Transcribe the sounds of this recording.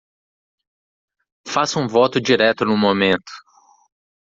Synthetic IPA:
fasũvɔt̪ʊd͡ʒiɾɛt̪ʊnʊ̃mõmẽnt̪ʊ̥

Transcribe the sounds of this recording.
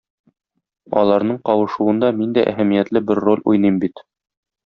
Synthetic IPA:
ɒ̰lˠɑɾnɤɴqɒwɤ̆ʃuɤ̆nd̪ɑmind̪æʔæ̰hæmijæt̪lɘbɘɾːo̞lʲujnɤjmbit̪

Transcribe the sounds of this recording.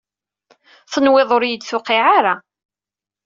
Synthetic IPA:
θənwɪðˤoɾjəd̪θʊqɪʕaɾa

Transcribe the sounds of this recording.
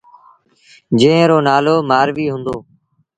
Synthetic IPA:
d͡ʒẽːɾoːnaːloːmaːɾʋiːɦʊ̃nd̪oː

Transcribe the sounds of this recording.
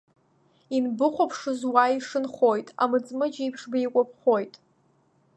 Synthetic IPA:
inbɨχʷopʰʂɨzwaiʂɨnχo̞jtʼa̰mɨt͡sʼmɨd͡ʒipʰʂbajkʷʼap̚ʰχojtʼ

